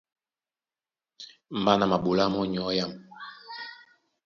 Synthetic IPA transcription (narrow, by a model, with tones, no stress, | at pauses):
m̩˨ba˦na˨ma˨ɓu˨la˦mɔ˦ɲ˨ɔ˨˦ja˦˨m